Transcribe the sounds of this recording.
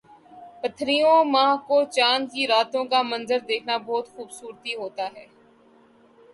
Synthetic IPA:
pɐt̪ʰɾijõmãːɦkot͡ʃaːnkiɾaːt̪õkamɐ̃nzəɾd̪eːkʰnabɔːt̪xuːbsuːɾt̪iɦoːt̪aɦɛː

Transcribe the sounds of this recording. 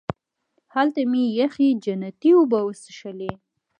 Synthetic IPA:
halt̪amijaxid͡ʒanat̪iubawəsəʃale

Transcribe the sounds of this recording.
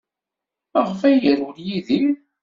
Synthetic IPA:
æʁfæjəɾʊljiði

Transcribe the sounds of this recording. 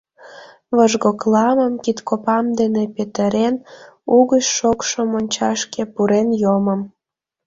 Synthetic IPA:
βəʒɣoklˠɑməmkit̪kopɑmd̪enepet̪əɾenuɣəʃʃokʃomonʲt͡ɕɑʃkepuɾenjoməm

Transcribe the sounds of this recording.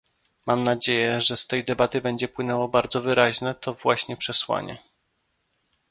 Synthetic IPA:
mamnad͡ʑejɛʐɛst̪ɛjd̪ɛbat̪ɘbɛɲd͡ʑɛpwɘnɛwɔbaɾd̪zɔvɘɾaʑnɛt̪ɔvwaɕɲɛpʂɛswa̰ɲɛ̰

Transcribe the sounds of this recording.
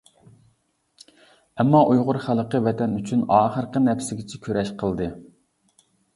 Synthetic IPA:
ɛmːɑʔujʁʊɾχælˠqəvɛt̪ʰɛnyt͡ʃʰynɑːχəɾqənɛpsɪɡʲɪt͡ʃʰɛkʲʰøɾɛʃqʰəlˠd̪ɨ

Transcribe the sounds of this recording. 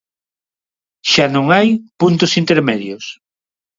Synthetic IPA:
ʃanõŋajpunt̪ʊsint̪eɾmɛðjʊs

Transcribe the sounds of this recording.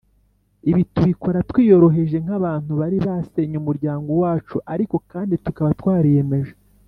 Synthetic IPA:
iβituβiko̞ɾatwiːjo̞ɾo̞ɦe̞ʒe̞ŋ̥aβaːn̥huβaɾiβase̞ɲumuɾɟaːŋɡo̞waːt͡ʃuʔaɾiko̞kaːnditukaβatwaːɾije̞me̞ʒe

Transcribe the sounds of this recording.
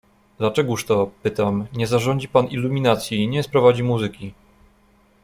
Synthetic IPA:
d̪lat͡ʂɛɡuʂt̪ɔpɘt̪amɲɛzaʐɔɲd͡ʑipanilːumʲinat̪sʲjiɲɛspɾɔvad͡ʑimuzɘkʲi

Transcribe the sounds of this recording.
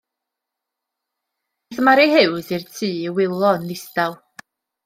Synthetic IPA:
ðmaɾihɨwðirtʰiːwɪlˠɔnːɪstalˠ

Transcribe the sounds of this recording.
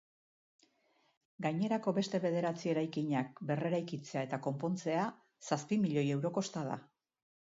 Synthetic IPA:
ɡajɲe̞ɾako̞βe̞st̪e̞βe̞ðe̞ɾat͡sie̞ɾajkiɲak̚be̞re̞ɾajkit͡se̞ae̞t̪ako̞mpo̞nt͡se̞a | saspimiʎo̞je̞wɾo̞ko̞st̪að̞a̰

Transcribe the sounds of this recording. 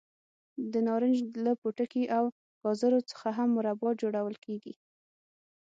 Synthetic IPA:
d̪ənɑɾənd͡ʒlapuʈəkiʔaw | kɑzaɾot͡sə̥xaɦamːʊɾabɑt̪̚d͡ʒoɽawəlkeɡḭ

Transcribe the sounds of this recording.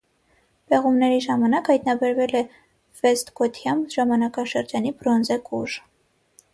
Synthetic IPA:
b̥ɛʁumnɛɾiʒɑmɑnɑkhɑjt̪nɑbɛɾvɛlɛ | vɛst̪kɔt̪ʰjɑmʒɑmɑnɑkɑʃəɾd͡ʒɑnibɾɔnzɛkuʒ

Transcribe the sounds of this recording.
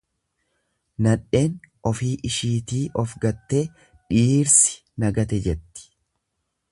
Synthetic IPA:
nɐᶑːe̞ːnʔɔfiːʔɪʃiːt̪iːʔɔfɡɐt̪ːe̞ː | ᶑiːɾsɪ̥ | nɐɡɐt̪ɛd͡ʒɛt̪ːɪ̥

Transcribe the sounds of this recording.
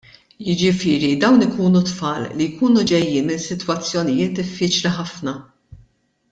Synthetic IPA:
jɪd͡ʒɪfɪːɾid̪ɐwnɪkuːnut̪fɐːlːijkuːnud͡ʒɛjːiːnmɪnsɪt̪wɐt͡sːjɔnɪjɪːt̪̚d̪ɪfːiːt͡ʃliħɐfnɐ

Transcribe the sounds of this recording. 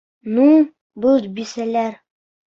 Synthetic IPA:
nu | bɤlˠbisælæɾ

